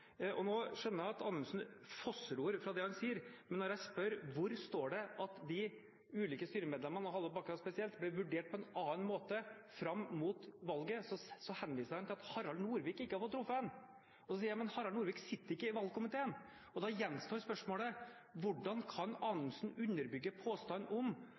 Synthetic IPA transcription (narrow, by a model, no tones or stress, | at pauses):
ʔɔnoːʂœnːəɾjæɑt̪ɑːnʉnsn̩fɔsɾuːɾfɾɑd̪ɛhɑnsiːəɾmɛnːɔɾjæɪspœɾʋʊɾst̪oːɖɛʔɑt̪d̪ɪ | ʉːliːkəst̪yːɾəmeːd̪lɛmɑnɔɦɑlːəbɑkːɾɑspɛsɪɛlt̪blɪʋʉɖeːʈ̚pʰɔɛnɑːnmoːt̪əfɾɑmːmuːt̪ʋɑlɡəsɔsɔhɛnʋiːsəɾhɑnt̪ɪlɑt̪hɑɾɑlnuːɾʋiːkːɪkːəhɑfɔt̪ʰɾʊfːəɛn | ɔsɔsiːəɾmɛnhɑɾɑlnuːɾʋiːksɪt̪ːəɾɪkːəɪʋɑlkʊmɪt̪ʰeːən | ɔd̪ɑjɛnːst̪oːɾspœʂmoːlə | ʋʊɖːɑnkʰɑnɑːnʊnsnʉnːəɾbʏɡːəpʰoːst̪ɑnːʔɔm